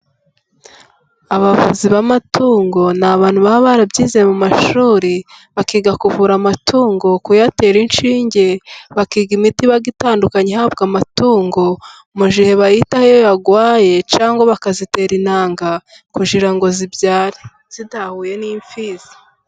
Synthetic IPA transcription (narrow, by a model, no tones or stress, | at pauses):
aβavṵziβamatuːŋɡo̞naβaːn̥huβaβaɾabɟiːzemumaʃuːɾiβakiːɡakuvuɾamatʰuːŋɡo̞kujate̞ːɾinʃiːɲɟe̞βakiːɡimitiβaɡitaːndukaɲehabɡamatuːŋɡo̞ | muʒiheβahitahejojaɡwaːje̞t͡ʃaːŋɡo̞βakazite̞ːɾinaːŋɡa | kuʒiɾaŋɡo̞zibjaːɾi | z̥idahuːje̞niːɱfiːz̥ḁ